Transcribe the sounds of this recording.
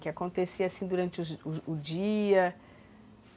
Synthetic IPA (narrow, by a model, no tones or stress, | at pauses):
kɪakõnt̪esiɐasĩd̪uɾɐ̃nt͡ʃɪzʊd͡ʒiɐ